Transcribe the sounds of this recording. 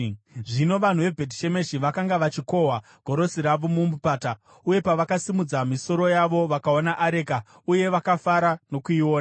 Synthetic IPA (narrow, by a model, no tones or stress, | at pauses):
ʐino̞ʋan̤uʋe̞bʱe̞diʃe̞me̞ʃiʋakaŋɡaʋat͡ʃiko̞ɦwa | ɡ̥ʱo̞ɾo̞siɾaʋomumbupaːta | uje̞paʋakasimud͡zamiso̞ɾo̞jaʋo̞ʋakaonaʔːɾe̞ːka | uje̞ʋakafaɾano̞kuiwoːna